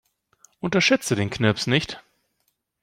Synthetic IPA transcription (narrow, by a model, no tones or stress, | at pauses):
ʔʊntɐʃɛt͡sədeːnkʰnɛpsnɪçt